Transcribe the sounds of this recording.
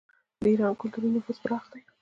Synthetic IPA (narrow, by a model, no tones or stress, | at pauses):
d̪əiɾɑnkʊlt̪uɾinəfuzbəɾɑxd̪aj